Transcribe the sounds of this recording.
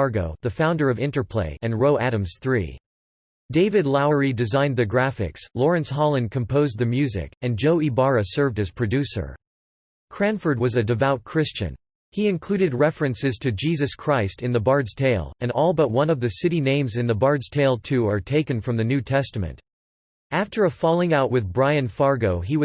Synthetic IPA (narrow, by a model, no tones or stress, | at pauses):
ɑɹɡoʊðɨfãʊ̃ndə˞ʌvɪ̃ntə˞pʰl̥ḛɪʔɨ̃nɹoʊʔæɾɨ̃mz̥θɹḭ | deɪvɨdˡlaʊə˞idɨzãɪ̃nðɨɡɹæfɪ̰kslɔɹɨ̃nshɑlˠə̃nkʰɨ̃m̩pʰoʊz̚ðɨmjʉzɪ̰kɨ̃nd͡ʒoʊibɑɹɨsɜ˞vdɨz̥pʰɹ̥ɨdʉsə̰˞ | kʰɹ̥æ̃ɱfə˞d̚wʌzɨdɨvaʊt̚kʰɹ̥ɪst͡ʃɨ̰̃n | iɨ̃nkʰl̥ʉɾɨd̚ɹɛfɹɨ̃nsɨz̥tʰɨd͡ʒizɨskʰɹ̥aɪstɨ̃nðəbɑɹdz̥tʰeɪlˠɨ̃nɔlˠbʌt̚wʌ̃nʌvðɨsɪɾinẽɪ̃mzɨ̃nðəbɑɹdz̥tʰeɪlˠtʰʉə˞tʰeɪkɨ̃nfɹʌ̃mðɨnʉtʰɛstɨmɨ̰̃nt | æftʰə˞ɨfɑlˠɪ̃ŋaʊʔ̚wʔɨðbɹaɪɨ̃nfɑɹɡoʊiwʌ